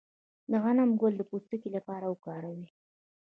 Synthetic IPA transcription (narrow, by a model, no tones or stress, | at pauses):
d̪əɣanamɡold̪əpust̪əkilapɑɾawkɑɾawi